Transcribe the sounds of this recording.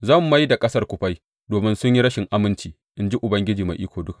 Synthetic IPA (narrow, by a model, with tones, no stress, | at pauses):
zɐː˦˨mː˨a˦jda˨kʼɐ˦sɐ˦rkʷʊ˨ɸa˦j | doː˨mɪ˦nsʊ˦ɲji˦ɽɐ˦ʃɪ˨ŋʔa˦mɪ˦nt͡ʃiː˨ | ʔɪ˦nd͡ʒi˦ʔʊ˨bɐ˦ŋɡʲɪ˦d͡ʒiː˨ma̰˨ʔiː˦kʷoː˨dʊ˦ka˨